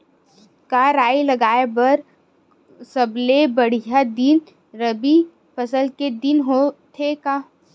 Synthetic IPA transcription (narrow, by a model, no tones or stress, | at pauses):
kaɾaːilɐɡaːebɐɾ | sɐblebɐɽ̤ijad̪in | ɾəbi | pɐsəlked̪ɪnɦot̪ʰeka